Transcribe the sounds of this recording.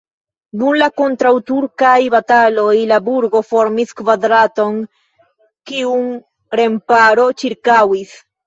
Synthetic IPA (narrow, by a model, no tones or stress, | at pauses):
d̪unlakont̪ɾawt̪uɾkajβat̪alo̞jlabuɾɡo̞fo̞ɾmiskvad̪ɾat̪o̞ŋ | kiuŋ | ɾe̞mpaɾo̞t͡ʃiɾkawis